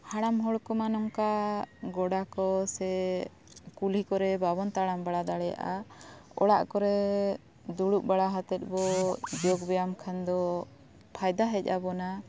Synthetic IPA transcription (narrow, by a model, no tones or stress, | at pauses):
haɽamɦɔɭkɔmanɔmkaɡɔɽakɔsɛ | kulikɔɾɛbabɔnt̪aɽambaɽad̪aɽɛja̰ʔaɔɽa̰ʔkɔɾɛ | d̪uɽuʔ̚baɽaɦat̪ɛt̪̚ˀbɔd͡ʒɔɡbɛjamkʰand̪ɔ | pʰajd̪aɦɛc̚ˀa̰bɔna